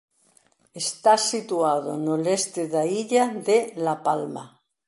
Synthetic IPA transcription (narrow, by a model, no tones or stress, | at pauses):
est̪asit̪uaðo̰nolest̪eðaiʎaðelapalma̰